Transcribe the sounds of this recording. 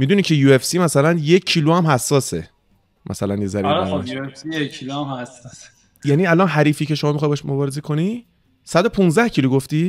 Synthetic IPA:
mid̪unicʰe̞juːe̞fsiːmæsælænjeːiluæmhæsːɒːse | mʔæ̰sælænjezæɾiɾæjuefsijeiluæmhæsɔs | jæniːælɒnɦæɾiːfiːcʰe̞ʃomɒːmixɒjbɒʃmobɒːɾezekʰo̞ni | sæd̪opʰũnzd̪æhcʰiluɡoft̪iː

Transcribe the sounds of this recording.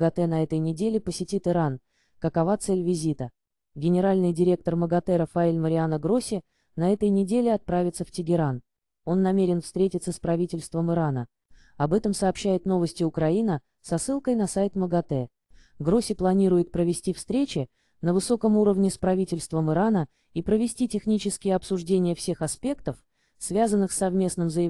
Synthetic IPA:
ɡɐt̪ɛnɐɛt̪əjnʲɪdʲelʲɪpəsʲɪtʲit̪ɨɾan | kəkɐvat̪sɛlʲvʲɪzʲit̪ə | ɡʲɪnʲɪɾalʲnɨjdʲɪɾʲe̞k̚t̪ərməɡɐt̪ɛɾɐfɐilʲməɾʲɪanəɡɾo̞sʲɪ | nɐɛt̪əjnʲɪdʲelʲɪɐt̪̚pɾavʲɪt̪səftʲɪɡʲɪɾan | o̞nːɐmʲeɾʲɪnfst̪ɾʲetʲɪt̪səspɾɐvʲitʲɪlʲst̪vəmɨɾanə | ɐbɛt̪əmsɐːpɕːæjɪt̪no̞vəsʲtʲɪʊkɾɐinə | sɐsːɨlˠkəjnɐsajt̪məɡɐt̪ɛ | ɡɾo̞sʲɪplˠɐnʲiɾʊjɪt̪̚pɾəvʲɪsʲtʲifst̪ɾʲet͡ɕɪ | nəvɨso̞kəmuɾəvnʲɪspɾɐvʲitʲɪlʲst̪vəmɨɾanə | ipɾəvʲɪsʲtʲitʲɪxnʲit͡ɕɪskʲɪjəɐpsʊʐdʲenʲɪjəfsʲe̞xɐspʲe̞kt̪əf | svʲazənːɨxsːɐvmʲe̞snɨmzəjɪ

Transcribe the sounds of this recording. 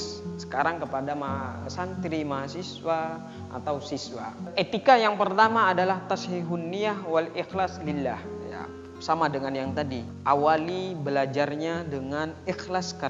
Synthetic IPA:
sə̥kaɾaŋkəpadamaɦasant̪ɾimaɦasiswa | ʔa̰t̪awsiswaʔet̪ikajaŋpərt̪amaːdalaht̪ashiɦunːiahwalixlaslilːahja̰ | samadəŋanjaŋt̪adi | ʔawalibəlad͡ʒarɲadəŋanixlaska

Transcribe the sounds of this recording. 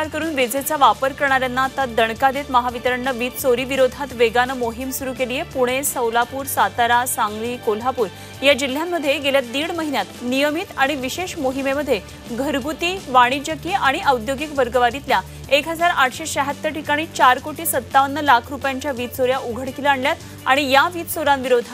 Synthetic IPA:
aɾkəɾuːnʋed͡zet͡saʋapəɾkəɾɳ̃aɾjanːaːt̪ad̪əɳ̃kad̪et̪məɦaʋit̪əɾəɳːəʋiːt̪soɾiːʋiɾod̪ʱat̪ʋeɡanəmoɦimsuɾuːkelijepuɽ̃esəwlapuːɾsat̪aɾasãŋɡliːkolɦapuːɾ | jad͡ʑil̤ːjamːəd̪ʱːjeɡeljat̪̚d̪iːɽməɦinjat̪nijəmit̪aɽ̃iʋiɕeɕmoɦimeməd̪ʱːje | ɡʱəɾɡut̪iːʋaɽ̃id͡ʑəkiaɽ̃iʔəwd̪joɡikʋəɾɡəʋaɾit̪lja | ekɦəd͡zaɾaʈʰɕeɕəɦət̪ːəɾʈikaɽ̃iːt͡ɕaɾkoʈiːsət̪ːaʋənːəlakʰɾupjaɲt͡ɕjaʋiːt̪soɾjaʔuɡʱəɽkilaːɳljat̪ | aɽ̃ijaʋiːt̪soɾanʋiɾod̪ʱa

